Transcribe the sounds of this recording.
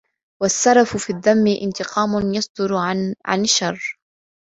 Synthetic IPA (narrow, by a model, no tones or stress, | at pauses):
wasːɑɾˤɑfʊfiːðːamːɪʔɪnt̪ɪqɑːmʊnjɑsˤd̪ʊɾʕa̰nɪʃːɑrˤː